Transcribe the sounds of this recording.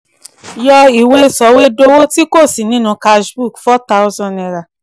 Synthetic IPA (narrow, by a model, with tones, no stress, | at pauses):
jɔ˧i˨we˧sɔ˨˦we˦do˦wo˦ti˦ko˦˨si˨nĩ˦nũ˧ka˧ʃbu˦˨kfɔ˦ta˧u˦zɔ̃˧˨nɛ˨ɾa˨